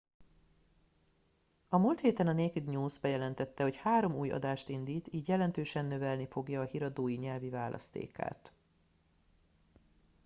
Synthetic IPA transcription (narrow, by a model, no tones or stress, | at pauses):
ɒmuːlt̪heːt̪ɛnɒneːkyd̪ɲuːzbɛjɛlɛnt̪ɛt̪ːɛho̞chaːɾo̞muːjɒ̰d̪aːʃt̪ind̪iːt̪iːɟjɛlɛnt̪øːʃɛnːø̞vɛlnifo̞ɡjɒːhiɾɒd̪oːjiɲɛlvivaːlʔɒ̰st̪ḛːka̰ːt̪